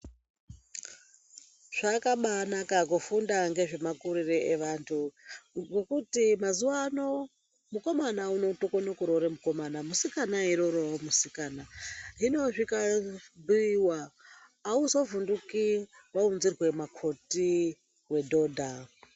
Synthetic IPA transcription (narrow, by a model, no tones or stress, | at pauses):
ʐ̥akaɓanakakufundaŋɡe̞ʐe̞makuɾireʔeʋantʰukekutimazuwano | muko̞manauno̞tokonokuɾoɾemuko̞manamusikanaiɾoɾomusikaːnaɦino̞ʐikabuiwaː | usovundukiwaunzirwe̞makʰo̞ti | we̞dʱo̞dʱa